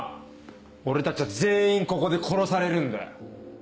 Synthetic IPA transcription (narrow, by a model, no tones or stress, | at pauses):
o̞ɾe̞t̪at͡ɕiβaze̞ːĩŋko̞ko̞d̪e̞kʰo̞ɾo̞saɾe̞ɾɯ̟̃nd̪ḛ